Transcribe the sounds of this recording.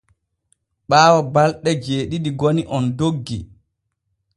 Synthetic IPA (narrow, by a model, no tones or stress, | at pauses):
ɓaːwɔbalɗɛd͡ʒeːɗiɗiɡoniʔɔndoɡːḭ